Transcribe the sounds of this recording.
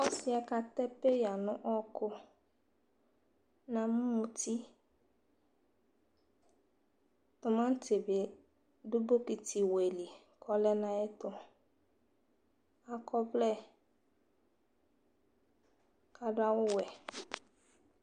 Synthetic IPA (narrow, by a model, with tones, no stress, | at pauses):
ɔ˦sɪ˦ɛ˨ka˨t̪ɛ˦pe˦ja˨nʊ̃˦ʔɔ˦kʊ˦ | nã˨mũ˦ũ˨ti˦ | tʊ˨mã˦n̩˦tʰe˨bɪ˨ | dʊ˦bo˦ki˨ti˨we˨li˨ | kʰɔ˦lɛ˦nã˦ɛ˦tʊ˨ | a˨kɔ˦blɛ˦ | ka˨dʊ˦a˦wʊ˦wɛ˨